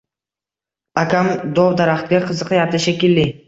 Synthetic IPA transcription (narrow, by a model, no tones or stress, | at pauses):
akʰʲamd̪ɒwd̪aɾaχt̪ɡʲaqʰɨzɨqjat̪ʰɪʃakʲɪlːɪ